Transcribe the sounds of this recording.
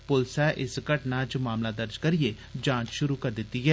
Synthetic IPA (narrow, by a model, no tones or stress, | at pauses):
pʊlsɛːʔɪskəʈnaːt͡ʃmaːmlaːd̪əɾd͡ʒkəɾijeː | d͡ʒãːt͡ʃʃʊɾuːkəɾd̪ɪt̪ːiːɦɛː